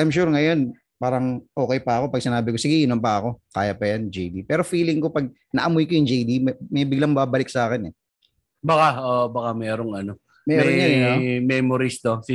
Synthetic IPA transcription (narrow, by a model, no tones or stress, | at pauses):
ʔajmʃ̬uɾŋɐjo̞n | paːɾɐŋʔo̞ːkɛjpɐɐko̞pɐɡ̚sɪnaːbɪko̞sɪɡɪʔinompɐɐko̞kaːjɐpɐjand͡ʒejd̪ipɛːɾo̞fiːlɪŋko̞pɐɡ̚ | nɐʔɐmʊjkojʊŋd͡ʒejd̪immɐjbɪɡlɐŋbaːbɐlɪk̚saːkɪnɛ | bɐkaʔoʔbɐkamɛːɾoŋɐno | mɛːmɾɾonnjanomɛmoɾist̪osɪ